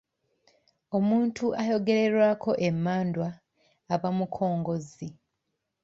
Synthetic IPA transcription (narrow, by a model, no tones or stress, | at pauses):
o̞muːntʰuʔajo̞ɡe̞ɾe̞ɾwaːkʰo̞ʔemːaːndwaː | βamukʰo̞ːŋɡo̞zi